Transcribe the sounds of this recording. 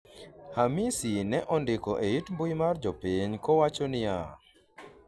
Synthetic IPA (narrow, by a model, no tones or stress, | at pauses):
hamisinɛʔɔndɪkɔʔeitmbujmard͡ʒopiɲkɔwat͡ʃɔnɪja